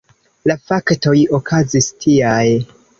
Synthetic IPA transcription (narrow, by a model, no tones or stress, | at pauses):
lafakto̞jo̞kʰazistʰiaj